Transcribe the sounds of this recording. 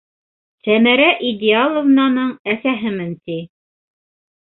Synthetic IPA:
sæmæɾæʔid̪ʲɪalˠŏvnɑnɤɴæsæɦɘmɘnt̪i

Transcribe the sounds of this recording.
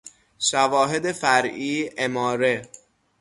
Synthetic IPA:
ʃævɒːɦe̞d̪e̞fæɾʔiːemɒːɾe

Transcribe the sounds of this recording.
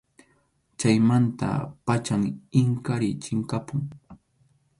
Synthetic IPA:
t͡ʃajmant̪a̰pat͡ʃaŋɪŋkaɾɪt͡ʃɪŋkapʊŋ

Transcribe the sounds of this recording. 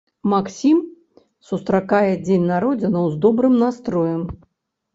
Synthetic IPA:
maksʲim | sust̪ɾakajɛd͡zʲenʲnaɾɔd͡zʲɪnɐwzd̪ɔbɾɨmnast̪ɾɔjɐm

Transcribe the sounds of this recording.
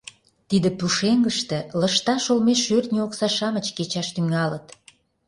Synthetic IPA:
t̪id̪ə̆puʃeŋɡəʃt̪ĕləʃt̪ɑʃolmeʃørt̪nʲioksɑʃɑmət͡ɕket͡ɕɑʃt̪yŋɑlət̪

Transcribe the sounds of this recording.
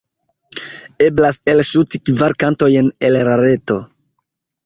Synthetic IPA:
e̞blase̞lʃutikvaɾkanto̞jenelɾaɾe̞to

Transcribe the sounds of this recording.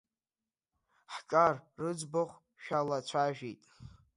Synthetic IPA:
ħkʼarːɨd͡zboχʷ | ʃᶣalat͡ɕʷʰaʒᶣijtʼ

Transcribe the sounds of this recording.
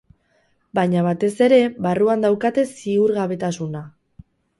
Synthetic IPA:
baɲaβat̪e̞se̞ɾe̞βaruand̪awkat̪e̞siuɾɣaβe̞t̪asuna

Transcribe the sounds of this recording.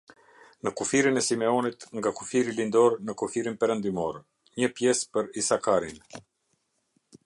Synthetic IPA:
nəkufiɾinɛsimɛɔnit̪ŋɡakufiɾilind̪ɔɾnəkufiɾinpɛɾənd̪imɔɾ | ɲəpjɛspəɾisakaɾin

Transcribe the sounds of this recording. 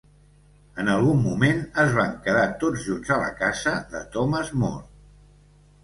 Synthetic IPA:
ənəlˠɣumːumenəzβaŋkəðat̪od͡zʒunzələ̰kazəðə̰t̪ɔməzmo̰r

